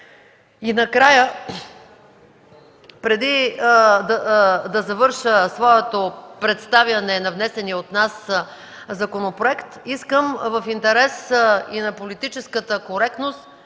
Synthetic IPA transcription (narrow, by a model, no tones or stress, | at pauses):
inɐkɾajə | pɾɛd̪id̪d̪ɐzɐvɤɾʃəsvɔɛt̪opɾɛt̪st̪avjɐnɛnɐvnɛsɛniot̪nas | zɐkonopɾoɛkt̪iskəmvəfint̪ɛɾɛsinɐpolit̪it͡ʃɛskət̪əkoɾɛk̚t̪nost̪